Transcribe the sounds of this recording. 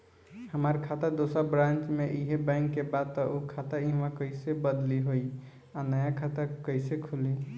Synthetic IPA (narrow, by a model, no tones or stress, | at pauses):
həmaɾkʰat̪əɾd̪osəɾbɾãnt͡ʃmeʔiɦebaɪŋɡkːebad̪̚t̪ɔʔokʰat̪əĩɦmãkəɪsebəd̪liɦoi | anəjakʰat̪əkəɪsekʰuli